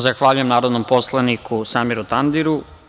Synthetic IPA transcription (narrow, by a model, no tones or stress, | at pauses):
zaxʋaːʎujemnaːɾod̪nompo̞slˠanikʰusamiɾut̪and̪iɾu